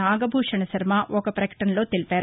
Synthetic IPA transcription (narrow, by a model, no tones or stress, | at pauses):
aːɡɐbʱuːʂɐɳɐsɐɾɐmaʔɔkɐpɾɐkɐ̥ʈɐnlo̞ːt̪elipaːɾ